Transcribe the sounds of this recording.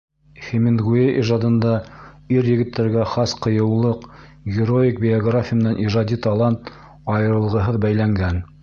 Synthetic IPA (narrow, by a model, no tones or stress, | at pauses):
χʲemenɡueʔiʒɑd̪ɤ̆nd̪ɑ | iɾjɘ̆ɡɘ̆t̪ːæɾɡæχɑsqɤ̆jɤ̆wlˠɤq | ɡʲɪɾoɪk̚bʲɪoɡrafʲɪjəmɘ̆nænʔiʒɑd̪it̪ɑlˠɑnt̪ | ɑjɤ̆ɾɤ̆lˠʁɤ̆ɦɤðbæjlæŋɡæn